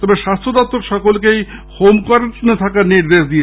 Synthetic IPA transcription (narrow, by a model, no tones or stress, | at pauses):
t̪ɔbeʃast̪ʰod̪ɔp̚t̪ːoɾʃɔkolkejhomkoɾenet̪ʰakaɾniɾd̪eʃd̪ije